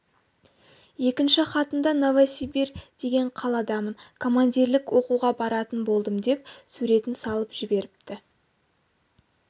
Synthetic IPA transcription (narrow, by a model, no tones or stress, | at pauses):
je̞kʲɪnʃɪχɑt̪ənd̪ɑnovasibird̪̥e̞ɡʲe̞ɴqʰɑlˠɑd̪ɑmənkʰo̞mand̪ʲiɾlɪkwo̞quʁɑbɑɾɑt̪ənbo̞lˠd̪əmd̪e̞p̚suɾe̞t̪ɪnsɑlˠəpʒ̥ɪbe̞ɾɪp̚t̪ɪ